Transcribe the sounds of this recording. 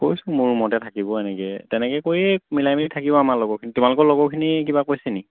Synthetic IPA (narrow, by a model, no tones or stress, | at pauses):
kojsʊ̃mʊɹmɔtɛtʰakibɔɛnɛkɛtɛnɛkɛkoɹiemilajmiitʰakibɔamaɹlɔɡɔkʰinitumalʊkɔlɔɡɔkʰinik̬ibakojsɛni